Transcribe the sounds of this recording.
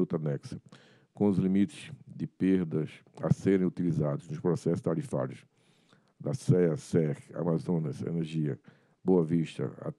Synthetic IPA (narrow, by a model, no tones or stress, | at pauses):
ut̪anɛksɐ̥ | kõʊzlimit̪ɪ̥sd̪ɪpeɾd̪ɐs | a̰seɾẽj̃ut̪ilizad̪ʊznʊspɾɔsɛsʊ̥t̪aɾifa̰ɾjʊs | d̪ɐsɛɐsɛʁa̰mazõnɐsḛneɾʒiɐ̰ | boɐviʃt̪ɐ̰a̰